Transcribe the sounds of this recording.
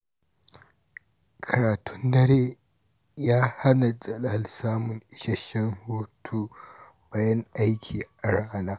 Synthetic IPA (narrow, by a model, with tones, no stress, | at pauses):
kʰɐ˨ɾaː˨tʰʊ˦ndɐ˦ɾeː˦ | jaː˦ha˦na˨zʼɐ˦la˨lsaː˦mʊ˨ŋʔɪ˦ʃɐ˦ʃɐ˦ŋhoː˦tʰuː˦ | baː˦jɐ˦ŋʔa˦jkʲʰiː˨ʔa˨ɽaː˦naː˦